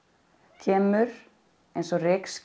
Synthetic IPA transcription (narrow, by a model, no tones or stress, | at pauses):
cʰɛːmʏɾ | ejnsɔrɪksc